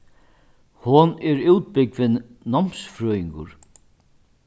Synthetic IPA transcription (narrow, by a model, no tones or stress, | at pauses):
hʊnɛɾuwt̪̚bɪkvɪnːɔm̥sfɾœːjɪŋkʊ̰ɾ